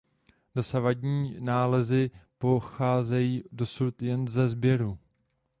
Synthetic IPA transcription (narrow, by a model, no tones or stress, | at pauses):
dosavaɟɲiːnaːlɛzɪpo̞xaːzɛjiːdo̞sut̪jɛnzɛzbjɛɾu